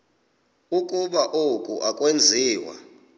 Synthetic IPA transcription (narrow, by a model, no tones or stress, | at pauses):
ukʼuɓaʔokʼṵʔakʼwend͡zʱiːwa̰